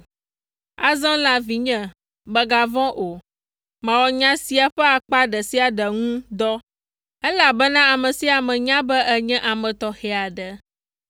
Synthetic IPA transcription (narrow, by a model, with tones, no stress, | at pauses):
a˨zɔ̃˦la˨vi˨ɲɛ̃˦ | bə˦ɡa˨vɔ̃˦ʔo˨ | mə̃˨wɔ˨ɲã˦si˦a˨ɸɛ˦a˨k͡pa˦ɖɛ˨si˦a˨ɖə˨ŋũ˦d̪ɔ˦ | ɛ˦la˨bɛ˦nã˦a˨mə̃˨si˦a˨mɛ̃˨ɲã˦bɛ˦ʔɛ˦ɲɛ̃˦ʔa˨mɛ̃˨t̪ɔ˨xɛ˨a˨ɖɛ˨